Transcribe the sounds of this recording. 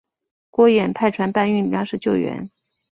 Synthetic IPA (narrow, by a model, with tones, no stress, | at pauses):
kwɔ˥jɛ˨˩npʰa˥˩ɪʈ͡ʂʰwa˧˥npa˥˧ny˥˩njjɑ˥ŋʂɻ̩˥˧t͡ɕjo˥˩ʊɥɛ̰˧˥n